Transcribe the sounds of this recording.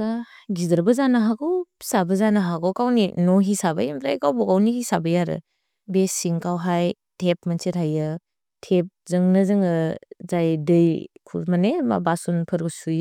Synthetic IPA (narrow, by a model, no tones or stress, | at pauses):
aɡidɾbɐzanaɦakɯwsabɐzanɐɦaɡawkawninɔɦisabajamɾajkawbɔkawnihisabɐjaɾɯ̰ | besiŋkawɦaj | tʰep̚mansiɾhajɯ | tʰep̚zɯŋnɐzɯŋɯzajdɯjkʰumanema̰basunpʰɯɾɡɯsuj